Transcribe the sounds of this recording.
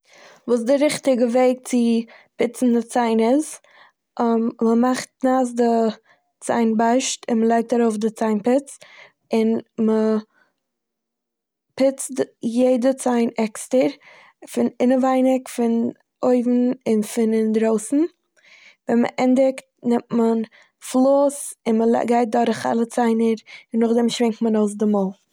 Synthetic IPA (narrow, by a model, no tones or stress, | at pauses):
vuːs̬dɪɾɪχtɪɡəveɪk̚t͡sɪpɪt͡sn̩dɪt͡saɪnɪs | ʔmməmaχt̚naːs̬dɪ | t͡sa̰ɪnbaɪʃtɪnməlˠaɪk̚taɾoʊfdɪt͡saɪnpɪt͡s | ɪnmə | pɪt͡stjeɪdət͡saɪnɛkstəɾ | fɪnɪnəvaɪnɪkfɪn | oɪvn̩ɪnfɪnɪndɾoʊsn̩ | vɛnmə̰ʔɛndɪkt̚nɪmtmən | flˠoːsɪnməl̰ɡaɪt̚dɔɾɪχa̰lˠət͡saɪnəɾɪnːʊχdɛmʃvɪŋktmənoʊs̬dɪmɔlˠ